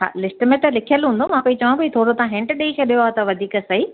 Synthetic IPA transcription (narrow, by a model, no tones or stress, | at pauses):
ɦa̰ːlɪsʈmẽt̪ɐlɪkʰijəlɦũːnd̪omãpɐĩt͡ɕɐʋãpɐit̪ʰoːɽot̪aãɦẽːɳʈɗeit͡ɕʰɐɗijoaːt̪ɐʋɐd̪ʱiːksɐi